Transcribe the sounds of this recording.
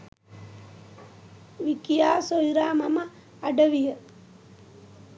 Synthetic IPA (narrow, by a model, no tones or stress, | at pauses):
ʋikijaːsojɾaːmɐmɐː | ɖəʋijə